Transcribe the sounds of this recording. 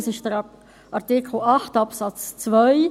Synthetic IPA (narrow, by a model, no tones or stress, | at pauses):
sɪʃd̥əɾ | ʔɑʁtɪkʰl̩ɑχtɑpsɑt͡st͡svœʏ